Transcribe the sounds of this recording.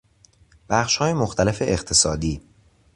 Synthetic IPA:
b̥æχʃhɒːjemoxt̪ʰæle̞feʔeqt̪ʰe̞sɒːd̪iː

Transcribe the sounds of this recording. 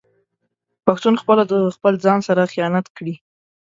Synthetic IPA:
paxt̪unxpəlad̪əxpəld͡zɑnsaɾaxijɑnat̪kɽi

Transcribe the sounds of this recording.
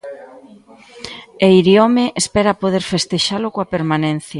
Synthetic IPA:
eiɾjomeʔespɛɾapoðeɾfest̪eʃalokoapeɾmanẽn̟θja

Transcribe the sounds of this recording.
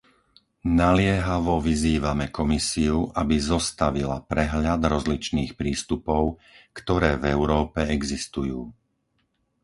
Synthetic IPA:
nalɪɛɦaʋɔʋiziːʋamɛkɔmisiuʔabizɔst̪aʋila̰pɾɛɦʎad̪ɾɔzlit͡ʃniːxpɾiːst̪upɔʊkt̪ɔɾɛːvɛʊɾɔːpɛɛɡzist̪ujuː

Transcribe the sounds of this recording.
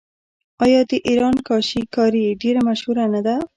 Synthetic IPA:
ɑjɑd̪əʔiɾɑnkɑʃikɑɾiɖeɾamaʃhuɾanad̪a

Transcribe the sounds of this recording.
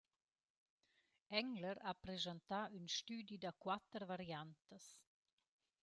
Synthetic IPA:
ɛŋləɾapɾezant̪aynʃt̪yːd̪jid̪akwat̪əɾvaɾjant̪əs

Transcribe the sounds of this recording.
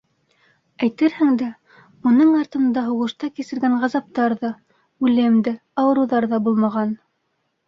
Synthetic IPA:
æjt̪ɘɾhɘŋd̪æ | mŭnɤɴɑɾt̪ɤ̆nd̪ɑɦuʁɤ̆ʃt̪ɑkisɘ̆ɾɡæɴʁɑzɑp̚t̪ɑɾðɑ | ʉlɘmd̪ɘ | ɑwɤ̆ɾuðɑɾðɑbulˠmɑʁɑn

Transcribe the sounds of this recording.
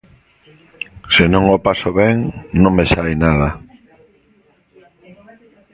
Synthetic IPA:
senõŋopasoβɛŋnõŋmesajnaðɐ

